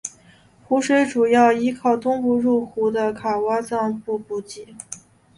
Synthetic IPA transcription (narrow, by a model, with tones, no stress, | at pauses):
xu˧˥ʂwe˧˥ɪʈ͡ʂu˨˩jɑ˥˩ʊi˥kʰɑ˥˩ʊt̪ʊ˥ŋpu˥˧ɻu˥˩xu˧˥d̪ə˧kʰa˨˩wa˥t͡sɑ˥˧ŋpu˥˧pu˥˩t͡ɕi˥˩˦